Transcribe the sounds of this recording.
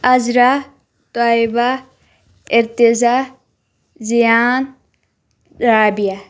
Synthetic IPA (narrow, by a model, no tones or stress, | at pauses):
ɐzɾa | t̪aːiba | ɪɾt̪ɪza | zijaːn | ɾaːbija